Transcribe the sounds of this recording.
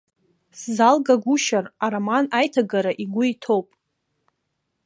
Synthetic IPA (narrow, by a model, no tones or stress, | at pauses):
szalɡaɡʷʊʃaraɾamanajtʰaɡaɾaʔiɡʷʊitʰowpʼ